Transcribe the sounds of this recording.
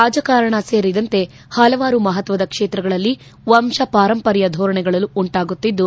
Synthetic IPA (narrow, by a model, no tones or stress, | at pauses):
ɾaːd͡ʒɐkaːɾɐɳɐse̞ːɾid̪ɐnt̪e̞ | hɐlɐʋaːɾumɐɦɐt̪ʋɐd̪ɐkʂeːt̪ɾɐɡɐɭɐlːi | ʋɐmʃɐpaːɾɐmpɐɾjɐd̪ʱɔːɾɐɳɛɡɐɭɐluuɳʈaːɡut̪ːid̪ːu